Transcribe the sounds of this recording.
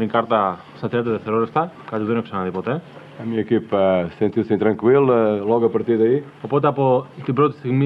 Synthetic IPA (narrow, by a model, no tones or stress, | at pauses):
ĩkaɾt̪ɐ | sɐt̪ɾet̪ɐðeθeɾoɾest̪ɐ | kɐt̪iɣðonoksɐnɐðipot̪e | ɐmiɲɐekipɐsẽnt̪iwsẽĩt̪ɾɐ̃ŋkwilˠɐlˠɔɣɐpɐɾt̪iɾðɐi | opot̪eɐpot̪ipɾot̪i̥siɣmi